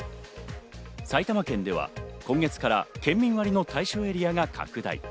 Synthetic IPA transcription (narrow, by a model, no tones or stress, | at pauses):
sait̪amakẽ̞nd̪e̞βa̰kõ̞ŋɡe̞t͡sɨ̥kaɾa̰kẽ̞mːʲĩɰ̃βaɾʲino̞t̪aiɕo̞ːe̞ɾʲijaɡakʰa̰kɯ̟d̪a̰ḭ